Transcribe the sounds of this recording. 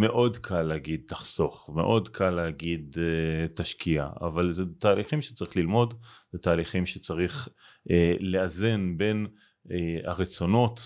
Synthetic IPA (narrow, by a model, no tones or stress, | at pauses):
me̞ʔo̞dkʰaleaɡid̪̚taχso̞χme̞̰ʔo̞dkʰalːeaɡid̪taʃkia̰a̰valzet̪aːliχimʃe̥t͡saʁiχlilmo̞dzet̪aːliχimʃet͡saʁiχ | eleaze̞nbe̞n | a̰ʁet͡so̞no̞t